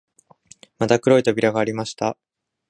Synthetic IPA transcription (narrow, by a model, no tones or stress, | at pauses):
mat̪akɯ̟ɾo̞it̪o̞bʲiɾaɡaːɾʲimaɕi̥t̪a